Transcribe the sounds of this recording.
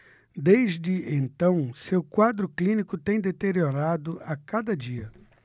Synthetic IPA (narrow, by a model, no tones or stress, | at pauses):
d̪ejzd͡ʒɪʔẽnt̪ɐ̃w̃sewkwad̪ɾʊklĩnikʊt̪ẽj̃d̪et̪eɾioɾad̪ʊakad̪ɐd͡ʒiɐ